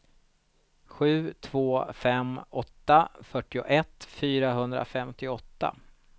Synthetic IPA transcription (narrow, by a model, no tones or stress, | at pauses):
ɧʉ̟ːt̪ʰv̥oːfɛmːɔt̪ːafœʈːɪʊʔɛt̪ːfyːɾaɦɵnd̪ɾa̰fɛmt̪ɪɔt̪ːa̰